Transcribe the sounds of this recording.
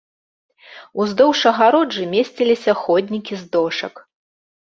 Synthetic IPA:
uzd̪ɔwʂɐɣaɾɔd͡ʐɨmʲesʲt͡sʲilʲisʲɐxɔd̪ʲnʲikʲizd̪ɔʂɐ̰k

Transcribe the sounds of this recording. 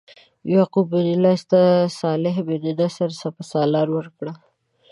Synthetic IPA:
jɑqubed̪ɪlɑst̪asɑlɪɦbed̪ɪd̪asaɾsapasɑlɑɾwəɾkɽa

